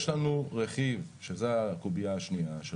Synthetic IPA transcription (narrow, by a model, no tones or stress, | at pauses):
ʃlanuʁeχivʃezeakubiaːʃniaʃe